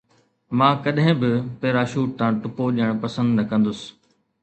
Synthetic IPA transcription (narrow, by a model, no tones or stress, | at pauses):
mãːkɐɗɦɪ̃bɪpeːɾaːʃuːʈ̚t̪ãːʈʊpoʄiəɽ̃pɐsə̃nd̪nɐkɐ̃nd̪ʊsɪ̥̆